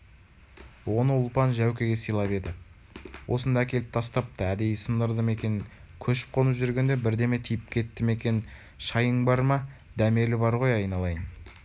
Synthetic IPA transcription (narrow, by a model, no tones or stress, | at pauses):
wo̞nəʊlˠpɑnʒæwkʲe̞ɡʲe̞səjlˠɑpe̞d̪ɪ | wʔo̞sənd̪ɑækʲe̞lɪp̚t̪ʰɑst̪ɑp̚t̪ɑæd̪e̞jsənd̪əɾd̪əme̞kʲe̞nɪŋ | kʲʰɵʃɪ̥p̚qʰo̞nəpʒʏɾɡʲe̞nd̪e̞bɪɾd̪e̞me̞t̪ʰijɪp̚kʲʰe̞t̪ːɪme̞kʲe̞n | ʃɑjəɴbɑɾmɑd̪æme̞lɪbɑɾʁo̞jɑjnɑlˠɑjən